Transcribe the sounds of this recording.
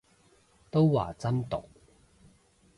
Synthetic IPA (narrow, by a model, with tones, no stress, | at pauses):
t̪o˥wwa̰ː˨˩t͡sɐ˥nt̪ʊ̰˨k̚